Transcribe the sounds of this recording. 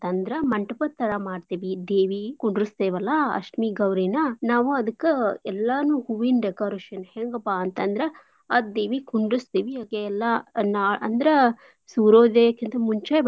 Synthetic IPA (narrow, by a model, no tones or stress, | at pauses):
nt̪ɐnd̪ɾemɐɳʈɐpɐt̪ːɐɾɐmaːɖt̪eːʋid̪eːʋikuɳɖɾust̪eːʋɐlːɐɐ̰ʂʈmiːɡɐwɾiːnɐnaːʋuɐd̪ɐkːeɛlːɐnuːhuʋinɖekaːɾeʃɐnheŋɡɐpaɐnt̪ɐnd̪ɾe | ad̪eːʋikuɳɖɾust̪eːʋiaːɡeːlːɐnaʔɐ̰nd̪ɐɾe | suːɾoːd̪ekint̪ʰɐmuɲt͡ʃaːjb